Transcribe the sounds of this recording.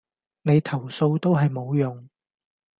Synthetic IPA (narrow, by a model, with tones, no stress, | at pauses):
ne˨˧jt̪ʰɐ˨˩wso˧wt̪o˥wɦɐ˨jmo˨˧wjʊ˨˩ŋ